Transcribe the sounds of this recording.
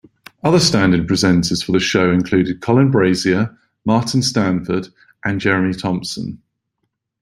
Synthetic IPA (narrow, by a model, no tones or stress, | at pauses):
ʌðəstãndɪ̃d̚pʰɹ̥ɪzɛ̃ntʰəz̥fəðəʃəʊɪ̃nkʰl̥ʉːdɪd̚kʰɒlɪ̃nbɹeɪziə | mɑˑʔɪ̃n̩stãnfəd | ʔə̃nd͡ʒɛɹmitʰɒ̃mpsə̰̃n